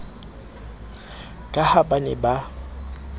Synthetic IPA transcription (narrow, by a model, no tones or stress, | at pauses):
kʼahabanɛba